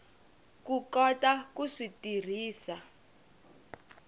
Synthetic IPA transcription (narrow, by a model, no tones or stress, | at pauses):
kukɔtakuʂitir̤iːsa